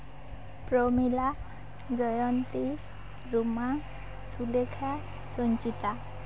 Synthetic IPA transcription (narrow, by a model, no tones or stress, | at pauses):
pɾomila | d͡ʒɔjɔnt̪i | ɾuma | sulekʰa | sɔnt͡ʃit̪a